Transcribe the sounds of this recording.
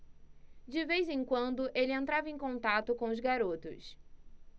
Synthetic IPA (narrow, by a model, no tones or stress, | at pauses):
d͡ʒɪvejzẽj̃kwɐ̃nd̪ʊʔelɪẽnt̪ɾavɐẽj̃kõnt̪at̪ʊkõʊzɡaɾot̪ʊ̰s